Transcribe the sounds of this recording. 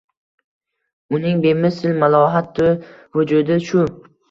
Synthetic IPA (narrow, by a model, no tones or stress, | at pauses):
ʊnɪŋbe̞mɪsɪlmalˠɒɦat̪ʰːʊvʊd͡ʒʊd̪ɪʃʊ